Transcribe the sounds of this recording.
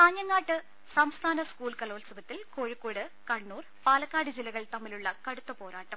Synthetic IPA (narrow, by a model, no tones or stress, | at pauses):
t̪aːɲjɐŋːaːʈːɨ | sɐmst̪ʰaːnɐskuːlkɐlo̞ːlsɐbɐt̪ːilkoːɻikːoːɽɨkɐɳːuːr | paːlɐkːaːɽid͡ʑilːɐɣɐɭt̪ɐmːiluɭːɐkɐɽut̪ːɐpo̞ːɾaːʈːɐm